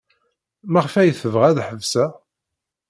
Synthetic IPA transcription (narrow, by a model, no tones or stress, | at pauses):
mæʁfæjθəvʁæðħəvsæ